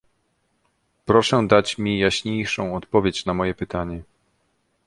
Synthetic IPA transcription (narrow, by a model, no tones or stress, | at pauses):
pɾɔʂɛd̪at͡ɕmʲijaɕɲejʂɔ̃w̃ɔt̪pɔvʲjet͡ɕnamɔjɛpɘt̪aɲɛ